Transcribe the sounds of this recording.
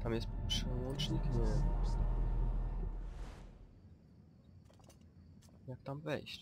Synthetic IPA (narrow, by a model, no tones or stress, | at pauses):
t̪amjɛst̪pʂɛwɔ̃nt͡ʂɲikɲɛ | jak̚t̪amvɛ̰jɕt͡ɕ